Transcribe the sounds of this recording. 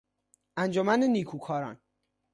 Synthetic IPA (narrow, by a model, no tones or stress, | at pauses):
ænd͡ʒomænenikʰuːkʰɒːɾɒ̰ːn